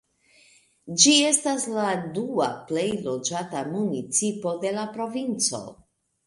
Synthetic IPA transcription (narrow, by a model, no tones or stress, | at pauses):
d͡ʒie̞stasladuaple̞jlo̞d͡ʒatamunit͡sipo̞de̞lapɾo̞vint͡so̞̰